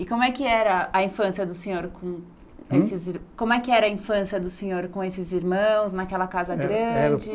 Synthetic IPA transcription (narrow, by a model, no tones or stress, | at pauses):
ɪkõmʊɛkɪɛɾɐɐĩfɐ̃siɐd̪ʊsẽɲoɾkõ | esɪziɾkõmʊɛkɪɛɾɐĩfɐ̃siɐd̪ʊsẽɲoɾkõesɪziɾmɐ̃w̃snɐkɛlɐkazɐɡɾɐ̃d͡ʒɪ